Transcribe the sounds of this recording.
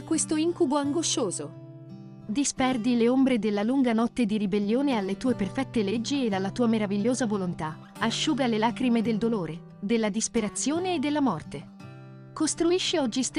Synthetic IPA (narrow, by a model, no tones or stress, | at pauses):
kwest̪oiŋkuboaŋɡoʃoːzo | d̪ispɛrd̪ileombɾed̪elːaluŋɡanɔt̪ːed̪iɾibelːjoːnealːet̪uːeperfɛt̪ːeled͡ʒːied̪alːat̪uːameɾaviʎːoːzavolont̪a | aʃːuːɡalelaːkɾimed̪eld̪oloːɾe | d̪elːad̪ispeɾat̪sːjoːneːd̪ːelːamɔrt̪e | kost̪ɾuiʃːiɔd͡ʒːist̪